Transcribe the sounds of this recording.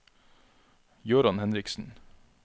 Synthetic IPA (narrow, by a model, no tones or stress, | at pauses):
jʉːɾɑnhɛnɾɪksn̩